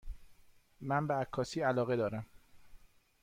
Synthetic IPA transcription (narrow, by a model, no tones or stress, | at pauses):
mænbeækʰːɒːsiːælɒːɣe̞d̪ɒːɾæm